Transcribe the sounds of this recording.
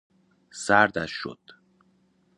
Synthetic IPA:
sæɾd̪æʃːo̰d̪̥

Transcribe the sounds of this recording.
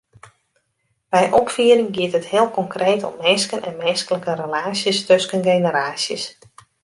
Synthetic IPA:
b̥ɛjʔɔpfiəɾɪŋɡiətɦəthɪəlˠkɔŋkreːtʰɔ̰mːenskənʔɛ̰nmenskələkərəlaːsjəstøskənɡeːnəɾaːsjəs

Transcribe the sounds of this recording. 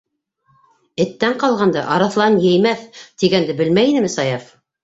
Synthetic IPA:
ɘ̆t̪ːæɴqɑlˠʁɑnd̪ɑʔɑɾɑθlˠɑnjɘ̆jmæθt̪iɡænd̪ɘbɘ̆lmæjinɘmɘsɑjɑf

